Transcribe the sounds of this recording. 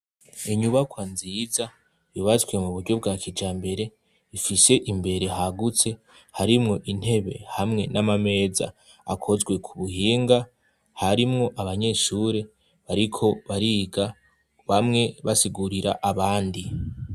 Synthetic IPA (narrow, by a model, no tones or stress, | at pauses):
iɲuβakwanziːza | jiβazwe̞muβudɟo̞b̚ɡaːkʰid͡ʒaːmbe̞ɾe̞ | ifise̞ʔimbe̞ɾe̞ɦaɡut͡se̞ | haɾimŋo̞ʔin̥he̞βe̞̰hamŋe̞nʔamame̞ːza̰ | a̰kʰo̞zɡwe̞kʰuβuhiːŋɡa | haɾimŋo̞ʔaβaɲe̞ːʃuːɾe̞ | βaɾikʰo̞βaɾiɡa | βamŋe̞βasiɡuɾiɾa̰ʔaβaːndi